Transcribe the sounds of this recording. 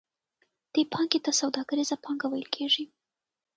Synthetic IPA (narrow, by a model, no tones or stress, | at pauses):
d̪̥epʰɑŋɡet̪asawd̪ɑɡaɾizapɑŋɡawajəlkʰeʐi